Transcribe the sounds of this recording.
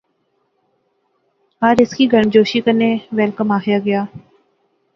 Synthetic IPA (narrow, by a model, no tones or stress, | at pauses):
ɦaːɾɪskiːɡʱəɳd͡ʒoːʃiːkəneːʋɛlkəmaːɦjaːɡɪjaː